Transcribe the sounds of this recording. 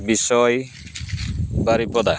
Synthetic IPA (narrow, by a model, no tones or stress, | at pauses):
bisɔj | baɾipɔd̪a